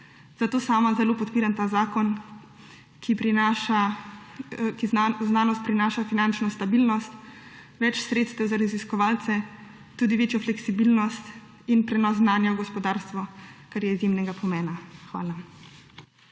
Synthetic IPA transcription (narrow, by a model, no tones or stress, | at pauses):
z̥at̪oːsaːmazɛloːpɔt̪piːɾamt̪aːzaːkɔn | kʰipɾinaʃa | kizaznaːnɔst̪̚pɾinaːʃafinant͡ʃnɔst̪abilnɔst̪ | ʋɛt͡ʃsɾet̪st̪ɛwzaɾaziskɔʋaːlt̪sɛ | t̪uːd̪iʋeːt͡ʃjɔflɛksibilnɔst̪ | inpɾɛnɔs̬znaːnjawɡɔspɔd̪aːɾst̪ʋɔkaɾjɛizjemnɛɡapʰɔmɛːnaxʋa̰ːla